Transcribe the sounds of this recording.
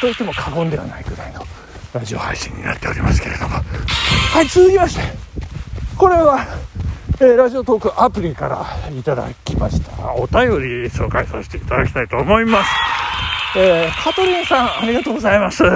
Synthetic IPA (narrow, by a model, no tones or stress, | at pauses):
t̪o̞it̪ːemo̞kʰaɡõ̞nd̪e̞βa̰naiɡɯ̟ɾaino̞ | ɾaʑio̞̰ha̰iɕḭ̃ɲ̟ːina̰t̪ːe̞oɾimasɨ̥ke̞ɾe̞d̪o̞̰mohait͡sɨzɨkʲimaɕi̥t̪e | ko̞ɾe̞βa | eːɾaʑiot̪o̞ːkɯ̟ʔapɯ̟ɾʲika̰ɾa̰it̪ad̪a̰kʲima̰ɕi̥t̪a̰ot̪ajo̞ɾʲiɕo̞ːkaisase̥t̪e̞it̪ad̪akʲi̥t̪ait̪o̞ːmo̞imasɨ̥ | eːkʰat̪o̞ɾʲĩsãaɾʲiɡat̪oːɡo̞zaimasɨ